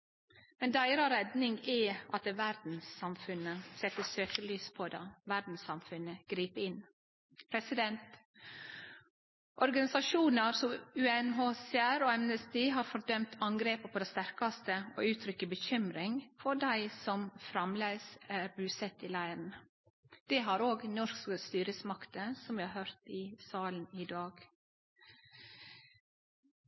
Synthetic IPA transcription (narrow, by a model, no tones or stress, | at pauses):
mɛnd̪æɪɾɑɾɛd̪nɪŋɡɛʔɑt̪ʋæɾd̪n̩sɑmfʉnəsɛt̪ːəsøːkəɭyːspʰɔd̪ɑʋæɾd̪n̩sɑmfʉnəɡ̥ɾiːpəɪn | pʰɾɛsɪd̪ɛnt̪ | ʔɔɾɡɑnɪsɑʃuːnəɾsɔmʉːɛnɦosɛæɾoːɛmnəst̪iːɦɑːɾfɔɾd̪œmt̪ʰɑŋɡɾeːpəpʰɔd̪ɛst̪æɾkɑst̪əo̰ːʉːt̪ʰɾʏkəbəçʏmɾɪŋfɔɖæɪsɔmfɾɑmleːsæɾbʉːsɛt̪ɪlæɪɾn̩ | d̪̥ɛɦɑɾoːɡnɔʃkkəst̪yːɾəsmɑkt̪əsɔmʋɪhɑɾhøɾt̪ɪsɑːlən̩ɪd̪ɑːɡ